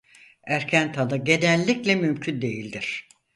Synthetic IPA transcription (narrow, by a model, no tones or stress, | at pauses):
æɾcʰænt̪ʰad̪aɟe̞d̪ænlʲːiclʲɛmymcʰynd̪e̞jilʲd̪iɾ̥